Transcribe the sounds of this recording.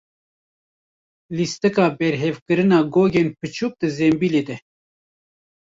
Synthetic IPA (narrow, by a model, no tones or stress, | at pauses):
list̪ɨkɑːbɛɾɦevkɨɾɨnɑːɡoːɡeːnpʰɨt͡ʃʰuːk̚d̪ɨzɛmbileːd̪ɛ